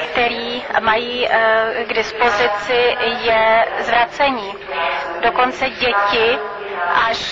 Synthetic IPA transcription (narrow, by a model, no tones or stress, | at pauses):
kt̪ɛɾiːmajiːɡdɪspo̞zɪt͡sɪjɛzvɾat͡sɛɲiː | do̞ko̞nt͡sɛɟɛcɪ | ʔa